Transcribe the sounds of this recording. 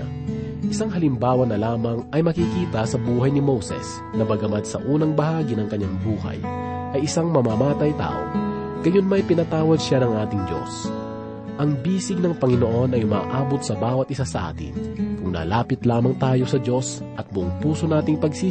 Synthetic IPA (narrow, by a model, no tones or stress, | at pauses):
ʔɪsaŋɦɐlɪmbaːwɐnɐlaːmɐŋʔɐjmɐkikiːt̪ɐsɐbuːɦɐjnɪmowsɛ̰s | nɐbɐɡɐmɐd̪̚sɐ̰ʔuːnɐŋbɐhaːɡinɐŋkɐɲːaŋbuːhɐ̰j | ʔɐjɪsaŋmɐmaːmaːt̪ɐjt̪a̰ːʔo̰ | ɡ̥ɐjonmɐjpɪnɐt̪aːwɐd̪̚ʃanɐŋʔaːt̪ɪŋd͡ʒo̞̰s | ʔɐŋbiːsɪɡ̚nɐŋpɐŋɪno̞ʔo̞nɐjʊma̰ːʔaːbot̪̚sɐbaːwɐt̪̚ʔɪsasɐʔa̰ːt̪ɪ̰nkʊŋnɐ̰ːlaːpɪt̪laːmɐŋt̪aːjo̞sɐd͡ʒo̞s | ʔɐt̪̚bʊʔoŋpuːso̞naːt̪ɪŋpɐɡsiː